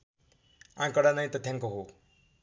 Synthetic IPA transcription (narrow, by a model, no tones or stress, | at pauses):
ã̰ŋkʌɽanʌj̃t̪ʌt̪jãŋkoɦo